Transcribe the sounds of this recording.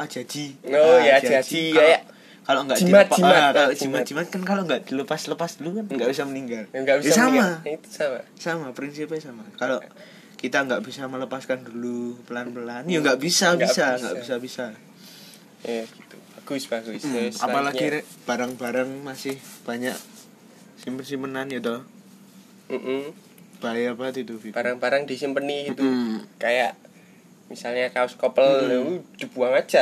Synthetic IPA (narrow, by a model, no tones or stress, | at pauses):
ad͡ʒ̥ad͡ʒ̥iojad͡ʒad͡ʒikaa | kaloʔŋɡaʔdiapaaaloʔd͡ʒimat̪d͡ʒimat̪̚kankaloʔŋɡaʔd̥̪iləpasləpasd̥̪ulukanŋɡaʔbis̬aməniŋɡalŋɡabisamait̪u̥samasamapɾinsipsamakaloʔ | kit̪aŋɡaʔb̥isamələpaskand̪ulupəlanpəlanjaŋɡaʔbisabisaŋɡa̰ʔbisabisa | jɡit̪ub̥aɡ̥usb̥aɡusa̰palaɡiɾɛb̥aɾaŋbaɾaŋmasɪhb̥aɲaʔ | simpənsimpənanjad̪ɔh | m̩ʔm̩ | b̥ajapad̪it̪ubib̥aɾaŋbaɾəŋdisimpəniɡit̪ukajaʔ | misalɲakaskɔpəld̥əb̥uaŋad͡ʒa